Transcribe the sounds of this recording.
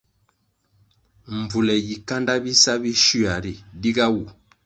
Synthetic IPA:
m˨vu˨lɛ˨ɡi˨ka˦nda˦bi˦sa˦bi˦ʃi˦a˨ɾi˨di˦ɡa˦wu˨

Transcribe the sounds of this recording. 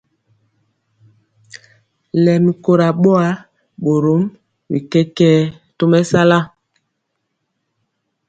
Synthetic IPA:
lɛ˨mi˨ko˨ɾa˨ɓo˦a˦ | ɓo˨ɾo˨˦m | wi˨kɛ˦kɛ˦ | to˦mɛ˦sa˦la˦

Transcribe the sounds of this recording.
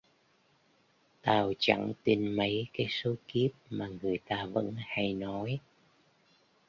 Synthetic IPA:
t̪aː˨˩wt͡ɕa̰˧˩ŋt̪i˧nmə˨˦jkaː˨˦jso˨˦ki˦˥əp̚maː˨˩ŋɨ˨˩əjt̪aː˧və̰˧˥nha˧jnɔ˨˦j

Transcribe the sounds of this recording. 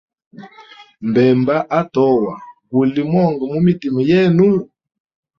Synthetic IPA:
m˨bɛ˨mba˦ʔa˦tɔ˦wa˨ku˨li˨mwɔ˦˨ŋɡɔ˨mu˦mi˦ti˨mɔ˨jɛ˦nu˦

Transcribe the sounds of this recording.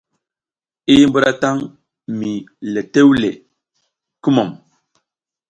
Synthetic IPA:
i˦mbu˦ɾa˦ta˦ŋ | mi˨le˨te˦wlḛ˨ | ki˦mo˨m

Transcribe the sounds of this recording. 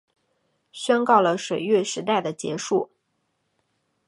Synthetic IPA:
ɕɥɛ˥nkɑ˥˩ʊlə˩ʂwe˨˩ɪɥɛ˥˩ʂɻ̩˧˥t̪a˥˩ɪd̪ə˩t͡ɕjɛ̰˧˥ʂu˥˩

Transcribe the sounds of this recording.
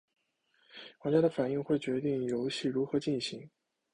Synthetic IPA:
xwa˧˥t͡ɕja˥d̪ə˧˩fa˨˩ni˥˧ŋxwe˥˩ɪt͡ɕɥɛ˧˥t̪̬i˥˩ŋjo˧˥ʊɕi˥˩ɻu˧˥xɤ˧˥t͡ɕi˥˩nɕi˧˥ŋ

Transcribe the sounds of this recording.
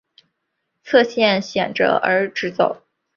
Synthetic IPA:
t͡sʰɤ˥˧ɕjɛ˥˩nɕjɛ˨˩nʈ͡ʂɤ̰˧˩ʔə̰˧˥ʈ͡ʂɻ̩˧˥t͡so˨˩˦ʊ

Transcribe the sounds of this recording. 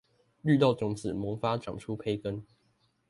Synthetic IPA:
ly˥˧t̪ɑ˥˩ʊʈ͡ʂʊ˨˩ŋt͡sɹ̩˨˩mɤ˨˥ŋfa˦ʈ͡ʂɑ̰˨˩ŋʈ͡ʂʰu˥pʰe˧˥ɪkə˦˥n

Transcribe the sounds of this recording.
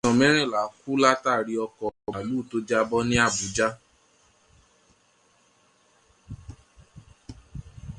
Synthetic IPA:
ɔ̃˨mɛ̃˦ɾ̃ɛ̃˦˨la˨˦fu˦la˦ta˦˨ɾi˧ɔ˧kɔ˨a˨lu˨˦˨to˧d͡ʒa˦bɔ˦nĩ˦a˦˨bu˨˦d͡ʒa˦

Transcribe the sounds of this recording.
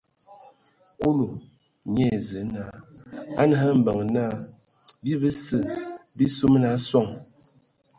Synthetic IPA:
ku˦lo˨ | ɲɛ˦˨zə˨˦na˦a˦n˦ɦə˦m̩˨˦bə˨ŋ˨na˦ | bi˦bə˦sə˦˨bi˦su˦m˦na˨˦swɔ˦˨ŋ

